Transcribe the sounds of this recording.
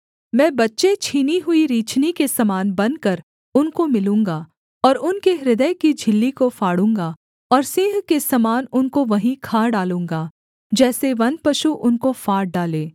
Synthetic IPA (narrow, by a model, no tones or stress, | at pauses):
mɛ̃ːbɐtːʃet͡ʃʰiːniɦʊiɾiːt͡ʃnikesɐmaːnbɐ̃nd̪̚kɐɾ | ʊnkomɪlũːŋɡa | ɔːɾʊnkeɾɪd̪əjkid͡ʒʱɪlːikofaːɽ̤ũːŋɡa | ɔːɾseːɦkesɐmaːnʊnkoʋɐɦĩkʰaːɖaːlũːŋɡaː | d͡ʒɛːseʋɐ̃nd̪̚pɐʃuʔʊnkofaːɾ̚ɖaːlẽː